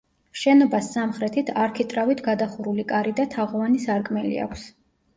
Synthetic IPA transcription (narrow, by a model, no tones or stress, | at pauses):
ʃɛnɔbasːamχɾɛt̪ʰit̪ʰaɾkʰit̪ʼɾavit̪ʰɡad̪aχuɾulikʼaɾid̪at̪ʰaʁɔvanisaɾkʼmɛlḭa̰kʷʰs